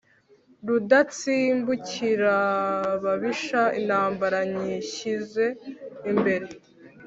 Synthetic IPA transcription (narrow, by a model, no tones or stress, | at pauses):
ɾudat͡siːmbuciɾaβaβiʃaḭnhaːmbaɾaɲiçize̞imbe̞ɾe̞